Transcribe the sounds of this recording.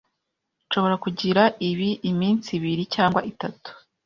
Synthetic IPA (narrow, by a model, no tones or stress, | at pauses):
ʃo̞βo̞ɾakuɟiɾaʔiβiʔimiːnt͡siβiɾicaːŋɡwaʔitatu̥